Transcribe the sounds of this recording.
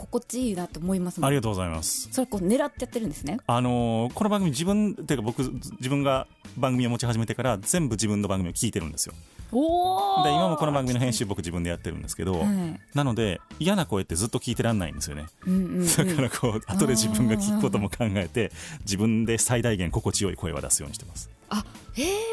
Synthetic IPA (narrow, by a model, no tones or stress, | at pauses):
kokot͡ɕinat̪oːmoimasɨaɾʲiɡat̪oːɡo̞zaimasɨ̥soɾekoːne̞ɾat̪ːejat̪ːeɾɯ̟nd̪esɨneano̞ko̞no̞bãŋɡɯmʲiʑibɯ̟̃nt̪eiːkabo̞kɯ̟d͡ʑibɯ̃ŋɡa | bãŋɡɯmʲio̞mo̞t͡ɕiɦaʑime̞t̪ekaɾazẽ̞mbɯ̟d͡ʑibɯ̃nːo̞bãŋɡɯmiokʲiːt̪eɾɯ̟̃nd̪esɨjo̞̰ | d̪eimamo̞ko̞no̞bãŋɡɯmʲinoɦẽ̞ɕɨːbo̞kɯ̟d͡ʑibɯ̟̃nd̪ejat̪ːe̞ɾɯ̟̰̃nd̪esɨ̥ke̞d̪o̞nano̞d̪e̞ijanako̞e̞t̪ːe̞zɨt̪ːo̞kʲiːt̪e̞ɾãnːa̰ḭ̃nd̪e̞sɨjo̞neɯ̃d̪̥akʰaɾakʰoːat̪o̞d̪e̞d͡ʑibɯ̟̃ŋɡakʲi̥kɯ̥ko̞t̪o̞mo̞kʰãŋɡae̞t̪e̞d͡ʑibɯ̟̃nd̪e̞said̪aiɡẽ̞ŋko̞ko̞t͡ɕijo̞iko̞e̞̰βa̰d̪a̰sɨjo̞ːɲ̟iɕi̥t̪emasɨ̥ | ae